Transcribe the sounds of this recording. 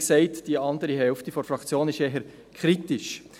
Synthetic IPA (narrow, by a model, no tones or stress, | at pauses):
ksɛɪtd̥iɑndəɾiɦɛlftifɔɾfɾɑkt͡sjoːnɪʃɛɦəɾ | kʰɾitɪʃ